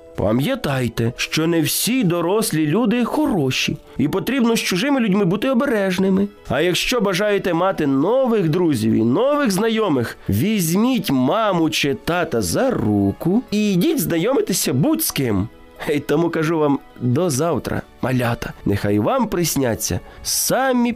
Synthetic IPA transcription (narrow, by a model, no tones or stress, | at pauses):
pɐ̰mʲjɐt̪ɑjt̪ɛʃt͡ʃɔnɛwsʲid̪ɔɾɔsʲlʲilʲud̪ɪxɔɾɔʃʲḭ | ipɔt̪ɾʲibnɔst͡ʃʊʒɪmɪlʲʊdʲmɪbut̪ɪɔbeɾɛʒnɪmɪ | ɐjɐkʃt͡ʃɔbɐʒɑjet̪ɛmɑt̪ɪnɔʋɪɣd̪ɾuzʲḭwḭnɔʋɪɣznɐjɔmɪxʋʲizʲmʲitʲmɑmʊt͡ʃet̪ɑt̪ɐzɐɾukʊidʲitʲznɐjɔmɪt̪ɪsʲɐbutʲsʲkɪm | ɛjt̪ɔmukɐʒuʋɑm | d̪ɔzɑwt̪ɾɐ̰ | mɐ̰lʲɑt̪ɐ̥nexɑjʋɑmpɾɪsʲnʲa̰t͡sʲːɐ̰sɑmʲi